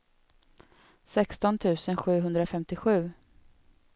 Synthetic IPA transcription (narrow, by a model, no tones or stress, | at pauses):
sɛkst̪ɔnt̪ʰʉ̟ːsənɧʉ̟ːɦɵnd̪ɾafɛmt̪ɪɧʉ̟ː